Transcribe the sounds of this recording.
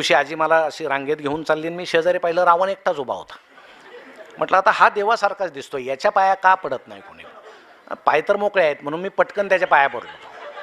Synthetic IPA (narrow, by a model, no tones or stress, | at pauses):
uɕiːad͡ʑiːməlaəɕiɾãŋɡet̪ɡʱeuːnt͡salːiːnmiːɕed͡zaɾipaɦiləɾaʋəɳek̚ʈʰasubʱa̰ɦo̰t̪ḁ | m̤əʈləat̪ahad̪eʋasaɾkʰat͡sd̪ist̪ojat͡ɕjapajakapəɽət̪na̰jkoɽ̃ḭ | pajt̪əɾmokɭeaet̪m̤əɽ̃uːnmiːpəʈkənt̪jat͡ɕjapajapəɽlo